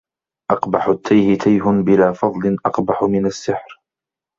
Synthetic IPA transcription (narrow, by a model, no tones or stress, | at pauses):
ʔɑqbaħʊt̪ːajhɪt̪ʰajɦʊnbɪlaːfɑðˤlɪnʔɑqbaħʊmɪnasːɪħɾ